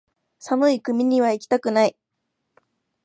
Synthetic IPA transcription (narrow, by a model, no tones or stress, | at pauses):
samɯ̟ikɯ̟mʲiɲ̟iβ̞aikʲi̥t̪akɯ̟nai